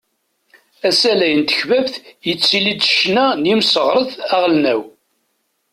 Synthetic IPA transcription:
æsælæjənt̪ə̥çvævθjət͡sːilid̪ʃnænimsəʁɾˤəθæʁlnæw

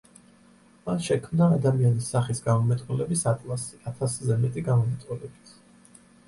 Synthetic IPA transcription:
masʃɛkʰmnaːd̪amianisaχisɡamɔmɛt̪ʼqʼulɛbisat̪ʼlˠasi̥at̪ʰaszɛmɛt̪ʼiɡamɔmɛt̪ʼqʼulɛbit̪ʰ

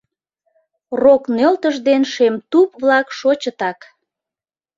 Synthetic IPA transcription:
roknølt̪əʒd̪enʃemt̪upβlɑkʃot͡ɕət̪ɑk

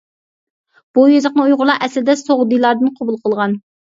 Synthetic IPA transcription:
b̥ujøzɑqnɨujʁʊɾlˠɑɛslɪd̪ɛsoʁd̪ijlˠɑɾd̪ɨnqʰobulˠqʰəlˠʁɑn

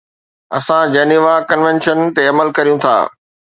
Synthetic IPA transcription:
ɐ̰sãd͡ʑeːniʋakɐnʋẽnʃənt̪eɐməlkɐɾijũt̪ʰa̰ː

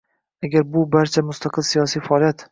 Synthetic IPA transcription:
aɡʲaɾbʊbaɾt͡ʃʰamʊst̪ʰaqʰɨlsijɒsijfaɒlˠjat̪

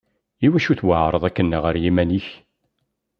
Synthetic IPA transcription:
iwæʃuθwəʕɾˤəðˤækːənːəʁəɾjimæniç

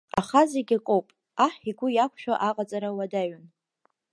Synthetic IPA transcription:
aχazeɡʲakʼowpʼ | aħiɡʷʊjakʷʰʃᶣaʔaqʼat͡sʼaɾawadaɥʊn

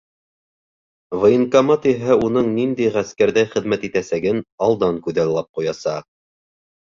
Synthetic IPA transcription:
vɤ̆jɤŋkɑmɑt̪iɦæunɤɴnind̪æjʁæskæɾðæjχɘ̆ðmæt̪it̪æsæɡɘnɑlˠd̪ɑŋkʉðællːɑp̚qujɑsɑq̚

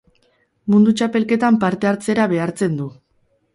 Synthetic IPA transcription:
mund̪ut͡ʃape̞lke̞t̪ampaɾt̪e̞aɾt͡se̞ɾaβe̞aɾt͡se̞nd̪u

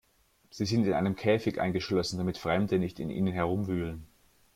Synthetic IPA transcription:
z̥iːzɪntɪnʔa̰ɪnəmkʰɛːfɪçʔa̰ɪnɡəʃlɔsn̩damɪtfʁ̥ɛmdənɪçtɪ̰nʔḭːnənɦɛɐʁ̞ʊmvyːlən

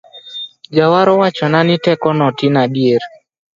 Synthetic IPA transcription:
d͡ʒawaɾɔwat͡ʃɔnanɪtɛkɔnɔtinaɗieɾ

